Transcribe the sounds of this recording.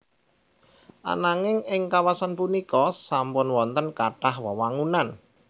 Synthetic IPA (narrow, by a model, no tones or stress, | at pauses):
ʔa̰naŋɪŋɪŋkawasanpunikɔsampʊnwɔnt̪ənkaʈahwɔwaŋunan